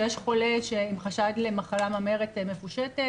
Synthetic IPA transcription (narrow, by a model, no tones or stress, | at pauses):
jɛʃχo̞leʃeimχaʃadlemaχalamameʁetmefuʃete